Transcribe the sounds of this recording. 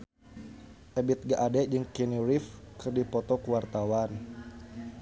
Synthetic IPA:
ʔɛbit̪̚ɡaʔadɛd͡ʒɨŋkɛniɾifkɨrdipɔt̪ɔkuwart̪awan

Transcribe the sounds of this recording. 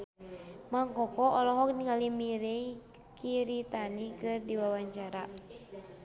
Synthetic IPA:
maŋkɔkɔʔɔlɔɦɔk̚niŋalimiɾeikiɾit̪anikɨrdiwawaɲt͡ʃaɾa

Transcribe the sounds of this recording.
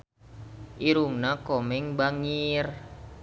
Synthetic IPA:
ʔiɾuŋnakɔmɪŋbaŋir

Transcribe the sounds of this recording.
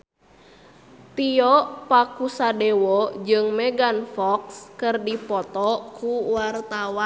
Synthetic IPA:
t̪iɔʔpakusadɛwɔd͡ʒɨŋmɛɡanfɔkskɨrdipɔt̪ɔkuwart̪awa

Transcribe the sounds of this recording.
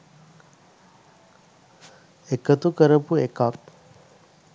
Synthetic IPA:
ekət̪ukəɾəpuekak̚

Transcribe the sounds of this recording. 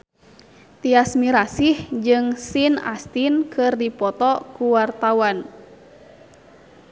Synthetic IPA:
t̪iasmiɾasihd͡ʒɨŋsina̰st̪inkʰɨrdipɔt̪ɔkuwart̪awan

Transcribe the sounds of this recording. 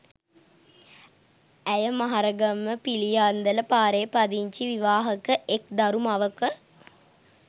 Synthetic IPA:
æjəmaɦaɾəɡəmːəpilijaːnd̪ələpaːɾejpad̪iɲt͡ʃiʋiʋaːɦəkəʔek̚d̪aɾumaʋəkə

